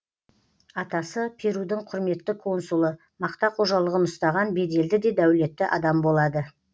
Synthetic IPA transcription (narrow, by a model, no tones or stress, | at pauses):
ɑt̪ɑsəpʰeɾud̪ɪɴqʰʊɾme̞t̪ːɪkʰo̞nsulˠə | mɑqt̪ɑqʰo̞ʒɑlˠəʁənʊst̪ɑʁɑnbe̞d̪e̞ld̪ɪd̪e̞d̪æwle̞t̪ːɪʔɑd̪ɑmbolˠɑd̪ə